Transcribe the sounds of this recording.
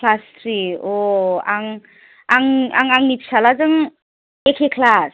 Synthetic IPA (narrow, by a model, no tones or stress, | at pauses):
lastʰɾioaŋ | aŋaŋaŋnip̚salazɯŋ | ekʰekʰlas